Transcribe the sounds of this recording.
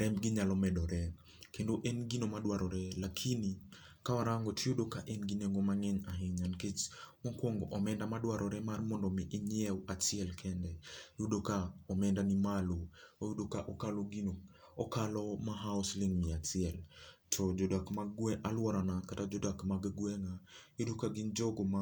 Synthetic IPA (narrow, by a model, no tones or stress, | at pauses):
ɾɛmɡɪɲalɔmɛdɔɾɛ | kendoʔenɡinomadwaɾɔɾɛlakʰini | kawaɾaŋɡɔtʰiodokaʔenɡineŋɡomaŋɛɲaɦɪɲanket͡ʃmakwɔŋɡɔʔɔmɛndamadwaɾʔɔɾɛmarmɔndɔmɪʔɪɲiɛwat͡ʃiɛlkʰɛndɛjudokaɔmɛndanimaluojudokaʔɔkalɔɡinɔ | ɔkalɔmaɦaɔsliŋmiat͡ʃiɛltʰɔd͡ʒɔdakmaɡwɛʔalwaɾanakatad͡ʒɔdakmaɡaɡwɛŋajudokaɡind͡ʒɔɡɔma